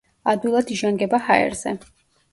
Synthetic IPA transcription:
ad̪ilˠad̪iʒaŋɡɛbahaɛ̰ɾz̥ɛ

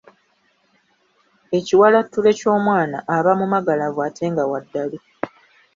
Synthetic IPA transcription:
e̞ciwalatːule̞co̞ːmwaːnaʔːβamumaɡalavwaːtʰe̞ːŋɡawadːali

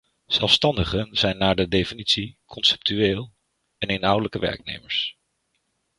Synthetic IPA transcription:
z̥ɛlˠfstɑndəχənz̥ɛjnːaːɹdədejfinitsikʰɔnsɛ̥p̚tyeːlˠ | ɛnejnɦʌwdələkəʋɛ̰ɹk̚nḛjməɹs

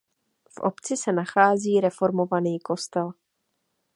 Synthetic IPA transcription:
fʔo̞̰pt͡sɪsɛnaxaːziːɾɛfo̞ɾmo̞vaniːko̞st̪ɛl

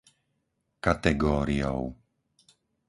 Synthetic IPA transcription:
kat̪ɛɡɔːɾiɔ̰ʊ

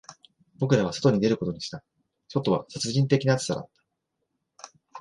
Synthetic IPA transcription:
bo̞kɯ̟ɾaβ̞aso̥t̪oɲ̟id̪e̞ɾɯ̟ko̞t̪o̞ɲ̟iɕi̥t̪a | so̞t̪ːo̞βa̰sat͡sɨʑĩnt̪e̞kʲinaat͡sɨ̥saɾa̰t̪ːḁ

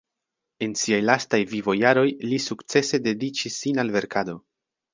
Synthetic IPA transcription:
e̞nsiajlastajvivo̞jaɾo̞jlisukt͡se̞se̞de̞dit͡ʃisːinalve̞ɾkʰado̞

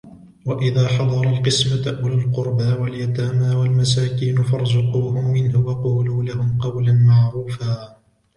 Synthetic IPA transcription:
waʔɪðaːħɑd̪ˤɑɾˤɑlqɨsmaʔʊlalqʊɾbawaljat̪aːmaːwalmasaːkiːnʊfɑɾˤzʊquːhʊmːɪnhʊwɑquːluːlahʊmqɑwlanmɑʕɾuːfaː

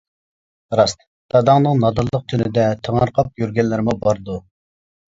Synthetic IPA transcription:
ɾɑst̪ | t̪ʰɑd̪ɑŋnɨŋnɑd̪ɑlˠːəq̚t̪ʰynɪd̪ɛt̪ʰəŋɑɾqʰɑp̚jyɾɡʲɛnlɪɾɪmubɑɾd̪u

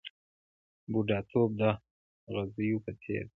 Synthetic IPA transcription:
buɖɑt̪ʰob̚d̪a | ɣazəjupət̪ʰḛɾ

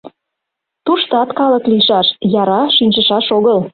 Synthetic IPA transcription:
t̪uʃt̪ɑt̪kɑlə̆kliʃɑʃjɑɾɑʃinʲʃəʃɑʃoɣəl

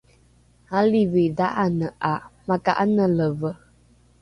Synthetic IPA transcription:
haliwedaʔanəamaka̰ʔanələvə

